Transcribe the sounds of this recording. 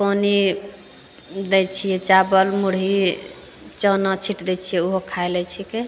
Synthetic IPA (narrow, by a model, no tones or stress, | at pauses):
poni | d̪ɛt͡ʃʰijɛt͡ʃabəlmuɽɦi | t͡ʃənat͡ʃʰiʈd̪ɛt͡ʃʰijɛuɦokʰaelɛt͡ʃʰike